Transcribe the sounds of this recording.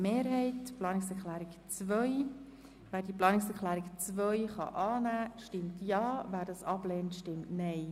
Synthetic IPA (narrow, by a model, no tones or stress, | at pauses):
meːɾɦɛɪtplɑːnɪksɛɾklæːɾɪkt͡svœj | væːɾdiəplɑːnɪksɛɾklæːɾɪkt͡svœʏχɑ̰ʔɑːnæːʃtɪmtjɑːvæːɾdɑsɑb̥leːntʃtɪmtnɛɪ